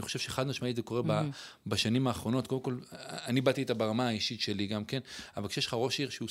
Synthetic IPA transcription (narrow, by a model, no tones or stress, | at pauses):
niχoʃevʃe̞eχad̪maʃmaitzeko̞ʁebabaʃanimaːχʁo̞no̞t̪kodemko̞lanibat̪iet̪abeʁamaaiʃit̪ʃe̞liɡamke̞navalkʃejeʃlχaʁo̞ʃiʁʃeu